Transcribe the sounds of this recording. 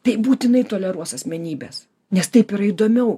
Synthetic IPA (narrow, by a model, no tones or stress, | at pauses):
t̪ɐɪbuːt̪ʲɪnɐɪt̪oːlʲɛɾuɔsɐsʲmʲɛnʲiːbʲḛːs | nʲɛst̪ɐɪpɪɾɐid̪oːmʲɛʊ